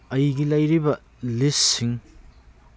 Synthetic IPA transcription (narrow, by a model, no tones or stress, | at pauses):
ɐjɡilɐjɾibɐ | listːiŋ